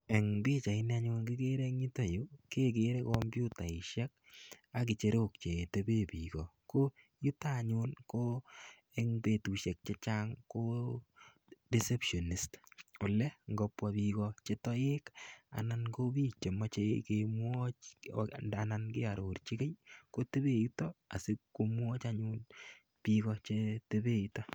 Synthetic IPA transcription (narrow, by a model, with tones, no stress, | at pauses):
ɛ˨ŋbi˦t͡ʃa˨ɪ˦na˦ɲu˧nki˦ke˦ɾe˦ŋi˦ta˨ju˦ke˦ke˦ɾe˦kɔmbju˦ta˨ɪ˨ʃɛ˦k̚a˦k̬i˨t͡ʃe˧ɾok̚t͡ʃe˨te˨be˦pikɔ˨ko˦ | ju˦ta˦˨ɲu˦nko˦ | e˦ŋpe˨tu˨ʃɛ˨k̚t͡ʃe˦t͡ʃaŋko˦ | di˦se˦pʃo˨ni˨sto˨lɛ˦ŋɡɔ˧pwa˨bikɔt͡ʃe˦tɔ˦je˦ka̰˨na˨nko˦bi˦t͡ʃe˨ma˦t͡ʃekemwɔ˦t͡ʃ | a˨nankɪ˦a˨ɾo˨rt͡ʃi˦ke˦jko˦te˦be˦ju˦tɔ˦a̰˨si˦kːo˦mwɔ˦t͡ʃaɲu˦n | pi˨kɔt͡ʃe˦te˦be˦ju˦tɔ˦